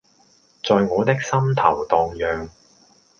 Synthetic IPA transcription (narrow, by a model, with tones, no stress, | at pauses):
t͡sɔː˨˧jŋɔː˨˧t̪ɪ˥k̚sɐ˥mt̪ʰɐ˨˩wt̪ɔː˨ŋjœː˨ŋ